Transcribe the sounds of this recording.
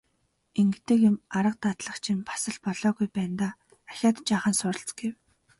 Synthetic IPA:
eŋɡɘ̆t̪ɘ̆kjʊ̆maɾə̆q̚t̪at̪ɮə̆χt͡ɕʰĭmpʰḁsə̆ɮpɔɮɔːɣujpæːnt̪aː | axʲaːt̪t͡ɕaːχaːnsʊɾə̆ɬt͡sɡ̥ew

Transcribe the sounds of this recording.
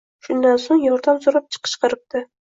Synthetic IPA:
ʃʊnd̪ansoŋjɒɾd̪amzoɾap̚t͡ʃʰɨ̥qʰə̥ʃqɨɾɪp̚t̪ɪ

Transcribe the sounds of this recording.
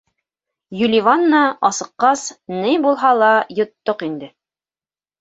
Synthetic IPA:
jɵlʲivanːɑɑsɤ̆qːɑsnɘjbulˠɦɑlˠɑjŏt̪ːoqind̪ɘ

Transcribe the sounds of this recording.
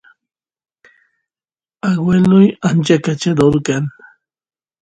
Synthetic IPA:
aɡwelʊjant͡ʃakat͡ʃad̪oɾkan

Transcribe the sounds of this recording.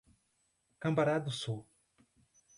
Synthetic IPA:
kɐ̃mbaɾad̪usu

